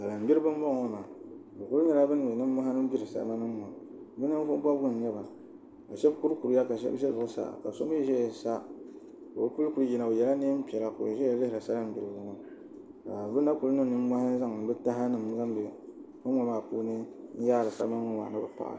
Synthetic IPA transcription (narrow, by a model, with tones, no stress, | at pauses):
sa˨la˨m˨bi˦ɾɨ˦bɨ˦m˦bɔ˦ŋo˦maː˨ba˨ku˦ɾɲɛ˦la˦bɨ˦n˦ɨ˨nɨ˦mː˦a˦ha˦nɨ˦m˦bi˦ɾɨ˨sa̰˨ma˦nɨ˦mː˦˨a˨bɨ˦nɨ˦fʊ˦ba˦bɡʊ˦n˨ɲɛ˦ba˨ | a˨ʃɛ˦bku˦ɾku˨ɾja˦ka˨ʃɛ̰˦bʃɛ˦bʊ˨ʔsa̰˦ka˨so˦m˦ɛ˦ʒɛ˦ja˨sa˦ | ko˨˦pu˦lku˦ji˨na˨o˨jɛ˨la˦ne˦m˦pi˨ɛ˨la˨ko̰˨ʒɛ˦ja˦lɪ˦hɪ˨ɾɨ˨sa˦la˦m˨bi˨ɾɨ˨ba˦ŋa˦ | ka˨bɨ˦na˦ku˦lnɨ˦˨nɨ˦m˦mʷa˦ha˦za˦ŋnɨ˨bɨ˦ta˦ɦa˦nɨ˨m˦ɡa˦m˦bi˨fɨ˦mː˦ɔ˨˦maː˦˨pu˦nɨ˦n˦jaː˦ɾɨ˨sa̰˦ma˦n˦ŋo˦wa̰˨nɨ˦bɨ˨pa̰˨ʔa̰˨